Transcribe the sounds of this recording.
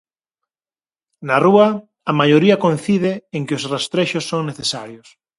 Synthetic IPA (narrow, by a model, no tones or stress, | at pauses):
naruɐː | majoɾiɐkon̟θiðeːŋkeosrast̪ɾeʃosːoŋneθesaɾjos